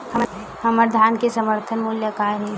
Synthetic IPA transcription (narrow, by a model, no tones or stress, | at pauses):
hɐməɾd̪ʱaːnkesəməɾt̪ʰənmuljəkaːɾɦɛ̃